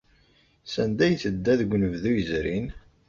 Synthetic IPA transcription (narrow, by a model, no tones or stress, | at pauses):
sænd̪æjθəd̪ːæðəɡʷːnəvðujəzɾin